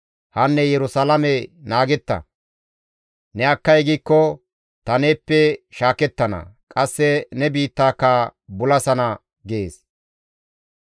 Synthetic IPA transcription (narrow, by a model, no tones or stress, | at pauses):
hɐnːɛjɛɾʊsalɐmɛnaːɡɛt̪ːɐ̰ | nɛɐkːɐjɡiːkːɔ | t̪ɐne̞ːpːɛʃaːkɛt̪ːɐnɐ̰kʼɐsːɛnɛbiːt̪ːaːkːaːbʊlɐsɐnɐ | ɡɪḛːs